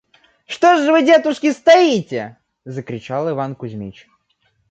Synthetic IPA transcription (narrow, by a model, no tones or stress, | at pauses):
ʂt̪oʐʐɨvɨdʲet̪ʊʂkʲɪst̪ɐitʲɪ | zəkɾʲɪt͡ɕalˠɨvankʊzʲmʲit͡ɕ